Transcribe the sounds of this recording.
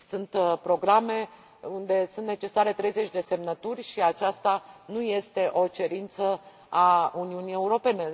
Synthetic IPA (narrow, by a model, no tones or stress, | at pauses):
sunt̪pɾo̞ɡɾame̞ | und̪e̞sũnt̪ne̞t͡ʃe̞saɾe̞t̪ɾe̞jze̞t͡ʃʲd̪e̞se̞mnət̪urʲʃiat͡ʃast̪anuje̞st̪e̞ʔo̞t͡ʃe̞ɾint̪sə | auniunije̞uɾo̞pe̞ne̞